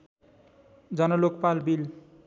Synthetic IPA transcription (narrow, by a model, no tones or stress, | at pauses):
d͡zʌnʌlokpalbil